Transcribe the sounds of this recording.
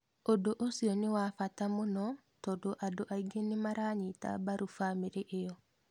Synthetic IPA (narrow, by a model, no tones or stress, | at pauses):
odoʔosiɔnɪwafatamonɔ | tɔdoʔadoʔaiɡenemaɾaɲita̰baɾufameɾeʔejɔ